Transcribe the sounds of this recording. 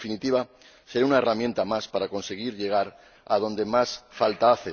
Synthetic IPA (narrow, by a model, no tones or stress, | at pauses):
finit̪iβa | seɾaunaeramje̞nt̪amaspaɾako̞nse̞ɣ̞iɾʎe̞ɣ̞aɾ | að̞o̞nd̪e̞masfalt̪aaθe